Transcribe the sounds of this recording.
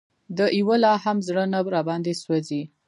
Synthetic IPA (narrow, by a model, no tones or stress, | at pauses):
d̪əʔiwəlɑhamzɽənabɾɑbɑnd̪eswazi